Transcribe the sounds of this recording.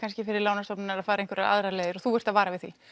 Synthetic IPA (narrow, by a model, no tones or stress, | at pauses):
kʰanscɪfɪɾɪɾlaːwnast̪ɔpnɪnɛɾaðfaːɾaenkvɛɾaa̰ðɾaleːðɪɾɔθuɛr̥t̪aðvaːɾavɪðθḭ